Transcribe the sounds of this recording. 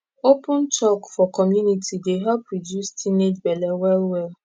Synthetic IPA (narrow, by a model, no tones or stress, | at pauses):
opʊ̃nt͡ʃɔkfɔkɔmjunitʰideɦɛpːɹodjustʰined͡ʒbɛlɛwɛlwɛl